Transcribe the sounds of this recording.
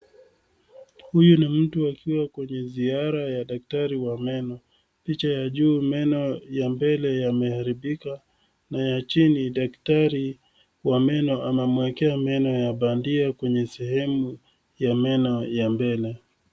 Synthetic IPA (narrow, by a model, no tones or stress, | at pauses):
hujunim̩tuakʰiwakwɛɲɛziaɾajaɗak̚taɾiwamɛnɔ | pit͡ʃajaʄuːmɛnɔjambɛlɛjamɛhaɾiɓika | najat͡ʃiniɗaktaɾi | wamɛnɔʔamɛmwɛkɛamɛnɔjaɓandiakwɛɲɛsɛhɛmu | jamɛnɔjambɛlɛ